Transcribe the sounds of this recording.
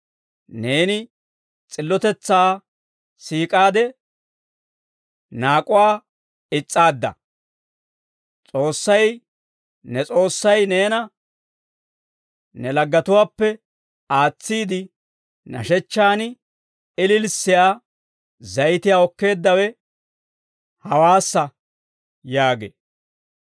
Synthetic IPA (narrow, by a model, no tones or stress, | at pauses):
ne̞ːnɪ | t͡sʼɪlːɔt̪ɛt͡sːaː | siːkʼaːd̪ɛ | naːkʼʊwaː | ɪt͡sʼːaːd̪ːɐ̰ | t͡sʼo̞ːsːɐj | nɛt͡sʼo̞ːsːɐjneːnɐ | nɛlɐɡːɐt̪ʊwaːpːɛ | aːt͡sːiːd̪ɪ | nɐ̰ʃɛt͡ʃːaːnɪ | ɪlɪlsːɪjaː | zɐjt̪ɪjaːɔkːe̞ːd̪ːɐwɛ | hɐwaːsːɐ | jaːɡḛː